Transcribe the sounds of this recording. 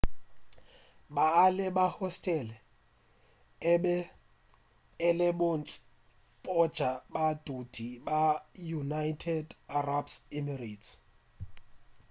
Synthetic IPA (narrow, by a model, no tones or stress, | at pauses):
baːlɛbahɔstʼɛlɛ | ɛ | lɛɓont͡sʼɪ̥ | pʼɔd̥ʒ̥ʱabad̥ʱud̥ʱibajunajtʰɛdarabsimirits